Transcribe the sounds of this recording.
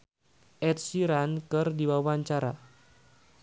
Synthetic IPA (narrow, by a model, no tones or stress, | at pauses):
ʔɛt̪̚siɾankɨrdiwawaɲt͡ʃaɾa